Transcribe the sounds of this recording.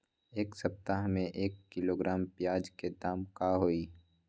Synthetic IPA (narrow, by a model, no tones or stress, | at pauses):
eːksɐp̚t̪aɦmẽʔeːkːɪloːɡɾʔaːmpjaːd͡ʒked̪aːmkaɦoːiː